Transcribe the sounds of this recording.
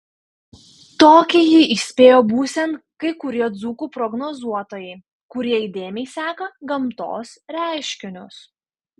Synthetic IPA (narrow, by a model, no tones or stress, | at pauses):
t̪oːkʲɪjiʔɪsʲpʲeːjoːbuːsʲɛnkɐɪkʊɾʲiɛd̪zuːkuːpɾɔɡnɔzuɔt̪oːjɛɪ | kʊɾʲiɛɪd̪ʲeːmʲɛɪsʲæːkɐɡɐmt̪o̰ːsɾʲæˑɪʃʲkʲɪnʲʊs